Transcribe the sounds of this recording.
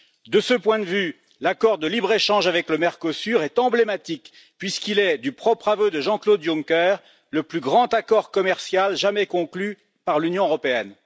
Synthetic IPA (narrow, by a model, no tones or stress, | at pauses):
d̪əsəpwɛ̃d̪əvy | lakɔʁd̪əlibʁeʃɑ̃ʒavɛkləmɛʁkɔsyʁɛt̪ɑ̃blemat̪ik | pɥiskilɛd̪ypχɔpχavød̪əʒɑ̃klod̪juŋkɛʁ | ləplyɡʁɑ̃t̪akɔʁkɔmɛʁsjalʒamɛkɔ̃kly | paʁlynjɔ̃øʁɔpeɛn